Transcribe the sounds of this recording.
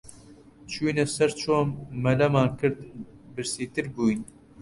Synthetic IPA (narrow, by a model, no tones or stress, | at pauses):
t͡ʃʰuːnɛsɐɾt͡ʃʰoːmːɐlɐmɑːnkɨɾd̪bɨɾsiːt̪ɨɾbuːjn